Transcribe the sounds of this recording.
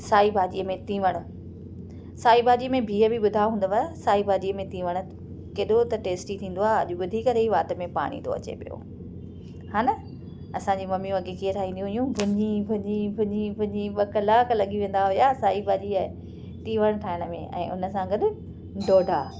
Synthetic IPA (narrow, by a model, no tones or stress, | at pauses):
saːibʱaːʄiːəmẽt̪ĩːʋəɽ̃ | saːibʱaːʄiːəmẽbʱiːəbʱiɓʊd̪ʱaɦũːn̆d̪apʰaasaːibʱaːʄijəmẽt̪ĩːʋəɽ̃ʊ̆ | keːɗot̪ɐʈeːsʈit̪ʰĩːn̆d̪oaːɦeɐʄoɓʊd̪ʱikɐɾeiʋaːt̪ə̆mẽpa̰ːɽ̃ḭ̃ːt̪o̰ɐ̰t͡ɕḛpijo̰ | haːnɐ | ɐsãɲd͡ʑimɐmĩʋɐɡekiət̪ʰaːɦĩːd̪jũɦijũbʱʊɲibʱʊɲĩbʱʊɲĩbʱʊɲĩɓɐkɐlaːklɐɠiʋẽːn̆d̪aɦʊjasaːibʱaːʄiə | t̪ĩːʋəɽ̃ʈʰaːɪɽ̃əmḛ̃ʔɛ̰̃ːʔʊ̰nəsãɡɐɗʊ | ɖoːɖʱaː